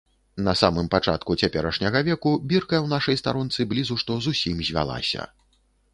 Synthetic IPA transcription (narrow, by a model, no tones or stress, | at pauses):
nɐsamɨmpat͡ʂa̰t̪kut͡sʲapʲɛɾɐʂnʲɐɣɐvʲɛkubʲirkɐjɛwnaʂɐjst̪aɾɔnt̪sɨblʲizuʂt̪ɔzusʲimzʲvʲa̰lˠa̰sʲɐ̰